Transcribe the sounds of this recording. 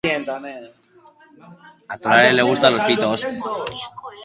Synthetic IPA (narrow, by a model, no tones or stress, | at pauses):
ent̪ane | at̪oɾaele̞ɣ̞ust̪alo̞spit̪os